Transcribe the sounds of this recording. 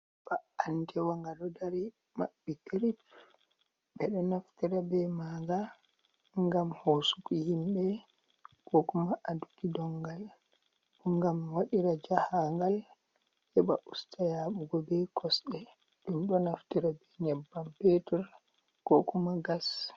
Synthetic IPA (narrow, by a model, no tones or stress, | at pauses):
baantʰɛwaŋɡaɗɔdaɾi | ma̰ɓːikiɾit | bɛɗɔnaftiɾabɛmaɡa | ŋɡamhosukihimbɛ | kɔkumaʔadukidɔŋɡal | ɓuŋɡamwaɗiɾad͡ʒahaŋɡal | hɛba̰ʔustajaːɓuɡɔbɛkʰɔsɗɛ | ɗumɗɔnaftiɾabɛɲɛbːampetɛɾ | kɔkumaɡas